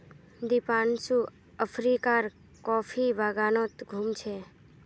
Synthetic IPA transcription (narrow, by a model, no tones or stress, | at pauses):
d̪ipansu | əfʰɾikaɾ | kɔfʰiʋaɡanot̪ɡʱumt͡ʃʰe